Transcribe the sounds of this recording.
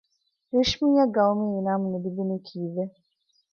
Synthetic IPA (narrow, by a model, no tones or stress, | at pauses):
ɾeʃmĩɲaɡawumijinamũnedibinĩkʰivɛ